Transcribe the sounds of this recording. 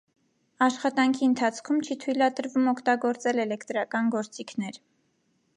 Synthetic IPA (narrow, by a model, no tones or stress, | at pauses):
ɑʃχɑt̪ɑŋkʰiənt̪ʰɑt͡sʰkʰumt͡ʃʰit̪ʰujlɑd̪əɾvumɔkʰt̪ɑɡɔɾt͡sɛlɛlɛkʰt̪ɾɑkɑnɡɔɾt͡sikʰnɛɾ